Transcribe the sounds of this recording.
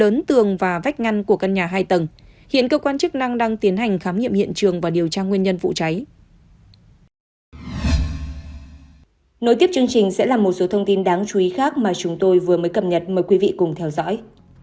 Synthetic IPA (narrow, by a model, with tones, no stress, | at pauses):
əː˨˦nt̪ɨ˨˩əŋvaː˨˩va˦˥k̟̚ŋa˧jŋku˧˩əkə˧nɲaː˨˩ɦaː˧jt̪ə˨˩nhḭ˧˨ənkəː˧kwaː˧nt͡ɕk̚na˧ŋɗaː˧ŋt̪i˨˦ənɦa˨˩jŋ̟xaː˨˦mɲḭ˧˨mhḭ˧˨ənt͡ɕɨ˨˩əŋvaː˨˩ɗi˨˩əwt͡ɕaː˧ŋwi˧ənɲə˧nvṵ˧˨t͡ɕa˨˦j | no˨˦t̪i˦˥əp̚t͡ɕɨ˧əŋt͡ɕï˨˩ŋ̟sɛ̰˧˥laː˨˩mo˨˩t̚so˨˦t̪ʰə˧wŋ͡mt̪i˧nɗaː˨˦ŋt͡ɕu˨˦i˨˦xaː˦˥k̚maː˨˩t͡ɕʊ˨˦ŋ͡mt̪o˧jvɨ˨˩əməː˨˦jkə˨˩p̚ɲə˨˩t̚məː˨˩jkwi˨˦vḭ˧˨kʊ˨˩ŋ͡mt̪ʰɛ˧wzɔ̰˧˥j